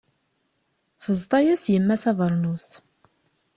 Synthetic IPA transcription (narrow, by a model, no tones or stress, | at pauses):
θəzˤt̪ˤɑjæsjəmːæsɑðˤəɾˤnus